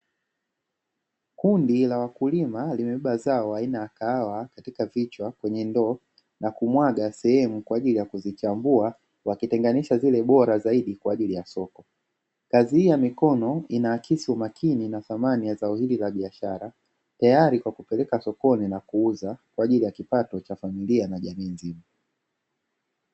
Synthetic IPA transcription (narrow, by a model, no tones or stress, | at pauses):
kundilawakulimalimɛɛɓazaɔainaakaawakatikavit͡ʃwakwɛɲɛndɔ | nakumwaɠasɛhɛmukwaːʄilijakuzit͡ʃambua | wakitɛŋɡaniʃazilɛɓɔɾazaiɗikwaːʄilijasɔkɔ | kazihijamikɔnɔinaːkʰisiumakʰininaθamanijazaɔhililaɓiaʃaɾa | tajaɾikwakupɛlɛkasɔkɔninakuuzakwaːʄilijakipatɔt͡ʃafamilianaʄamiːnzima